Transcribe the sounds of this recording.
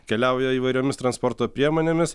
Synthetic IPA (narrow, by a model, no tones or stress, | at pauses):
kʲɛlʲæˑʊjɛiːʋɐɪɾʲoːmʲɪst̪ɾɐnspoːɾt̪oːpʲɾʲiɛmoːnʲeːmʲɪs